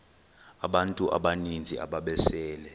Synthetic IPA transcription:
aɓantʼuʔa̰ɓanind͡zʱiʔa̰ɓaɓɛsɛːlɛ

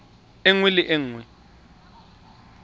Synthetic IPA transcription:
eŋwɪlɪʔeŋ̩wɛ

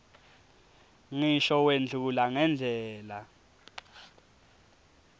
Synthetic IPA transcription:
ŋiʃɔwend͡ɮʱulaŋɛnd͡ɮʱɛːla

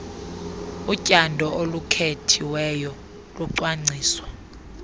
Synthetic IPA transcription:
ucʼandʱɔolukʰetʰiwɛjɔ | luǀwaŋ͡ǀʱiːswa

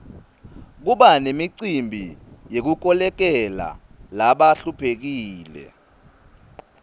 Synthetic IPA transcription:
k̬uɓanemiǀimbʱijek̬uk̬ɔlɛk̬ɛla̰laɓaɬupʰek̬iːlɛ̰

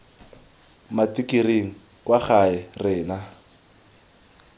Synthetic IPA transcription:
matikireŋ̩ | kwaχaɛrɪːna

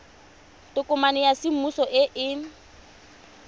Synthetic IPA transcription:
tʼʊkʼʊmanɪjasɪm̩usɔʔɪʔɪ

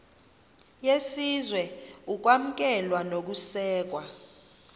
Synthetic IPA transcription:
jesizwɛuk̬wam̩k̬ʼɛlwanok̬usɛːk̬wa

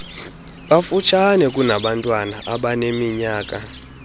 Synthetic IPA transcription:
ɓafut͡ʃʰanɛk̬ʼunaɓantʼwanaʔaɓanemiɲaːk̬ʼa

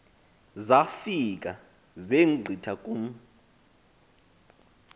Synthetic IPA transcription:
zafik̬ʼa | zeŋ͡ǃʱitʰakʼum̩

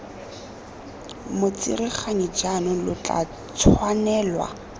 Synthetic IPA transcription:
mʊt͡sḭriχaɲid͡ʒanʊlʊt͡ɬʼa̰ | t͡sʰwanɛːlwa̰

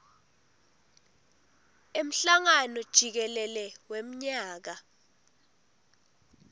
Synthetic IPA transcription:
em̩ɬaŋanɔd̥ʒ̥ʱik̬ɛlɛlɛwem̩ɲaːk̬a

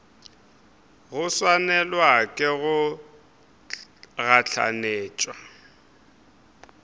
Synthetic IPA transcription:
ɣʊswanɛlwakʼɪɣʊ | ɣaɬʰa̰neːt͡ʃʼwa

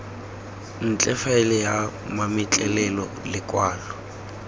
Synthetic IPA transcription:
n̩t͡ɬʼɛfaɪlɪja | mamɪt͡ɬʼɛlɛlɔ̰ | lɪkʼwaːlɔ

